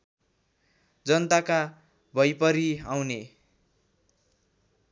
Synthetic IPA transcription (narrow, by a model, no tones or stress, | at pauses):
d͡zʌnt̪aka | bʱʌjpʌɾiawne